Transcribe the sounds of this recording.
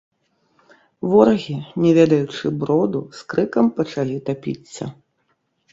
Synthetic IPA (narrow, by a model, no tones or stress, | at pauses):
vɔɾɐɣʲinʲɛvʲɛd̪ɐjut͡ʂɨbɾɔd̪uskɾɨkɐmpɐt͡ʂalʲit̪apʲḭt̪sːɐ̰